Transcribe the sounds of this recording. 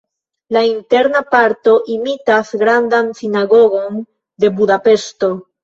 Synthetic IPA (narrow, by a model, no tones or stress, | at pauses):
laint̪eɾnapaɾt̪o̞ʔimit̪asɡɾand̪ansinaɣoɣon | d̪e̞buðape̞st̪o